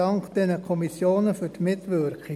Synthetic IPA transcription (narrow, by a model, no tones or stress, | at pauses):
ɑŋkd̥̪ɛnəkʰɔmisjoːnəfyɾtmɪt̪ʋʏɾkχi